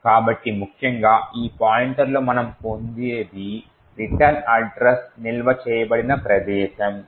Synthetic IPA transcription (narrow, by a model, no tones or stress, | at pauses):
kaːbɐʈːimukʰjɐŋɡaːiːpaːjiɳʈɐɾloːmɐnɐmpond̪eːd̪i | ɾiʈɐnɐɖɾɐsnilʋɐt͡ʃɛːjɐbɐɽinɐpɾɐd̪ɛːʃɐm